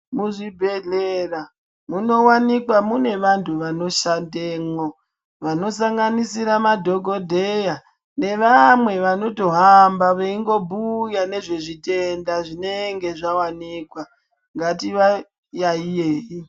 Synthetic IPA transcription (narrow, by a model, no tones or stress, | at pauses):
muʐibʱe̞ɮera | muno̞wanikwamune̞ʋantʰuʋano̞ʃandeːŋo | ʋano̞saŋɡanisiɾamadʱo̞ɡʱo̞dʱeja | ne̞ʋamwe̞ʋano̞to̞ɦambaʋeiŋɡo̞bʱujane̞ʐe̞ʐite̞ndaʐine̞ŋɡe̞ʐawaniːkwa | ŋɡatiʋa | jaijeːi